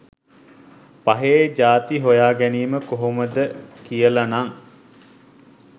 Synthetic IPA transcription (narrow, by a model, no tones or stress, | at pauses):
paɦed͡ʒaːt̪iɦojaːɡæniːməkoɦoməd̪əkijəlanaŋ